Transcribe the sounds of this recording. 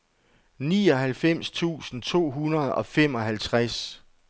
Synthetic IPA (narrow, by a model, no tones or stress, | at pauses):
niːɒ̽ɦælfem̰st͡sʰṵːsn̩t͡sʰo̝̰ːɦunɐð̩ˠɒ̽fem̰ɒ̽ɦælt͡sʰʁas